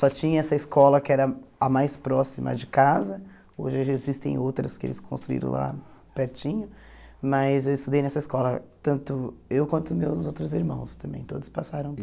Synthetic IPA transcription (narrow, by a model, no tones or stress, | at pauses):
sɔt͡ʃĩɲɐɛsɐɪskɔlɐkɪɛɾɐɐmajspɾɔsimɐ̰d͡ʒɪkazɐ | oʒɪʒezist̪ḛ̃j̃owt̪ɾɐskɪḛlɪskʰõst̪ɾuḭɾɐ̰̃w̃lʔa̰pɛɾt͡ʃĩɲʊmɐzewɪst̪ud̪ejnɛsɐɪskɔlɐt̪ɐ̃nt̪ʊewkwɐ̃nt̪ʊmewzowt̪ɾʊziɾmɐ̃w̃st̪ɐ̃mbḛ̃j̃t̪od̪ʊspasaɾɐ̃w̃